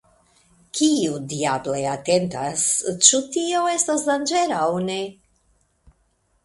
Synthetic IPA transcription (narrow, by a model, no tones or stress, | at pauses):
kʰiudiableate̞ntast͡ʃutio̞e̞stasdand͡ʒe̞ɾawne̞